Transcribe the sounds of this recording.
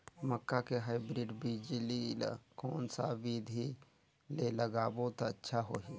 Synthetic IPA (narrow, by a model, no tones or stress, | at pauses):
məkːakeɦaːibɾiːɖbid͡ʒlila̰koːnsaʋiːd̪ʱi | leləɡaːbot̪aətːʃʰaɦoɦi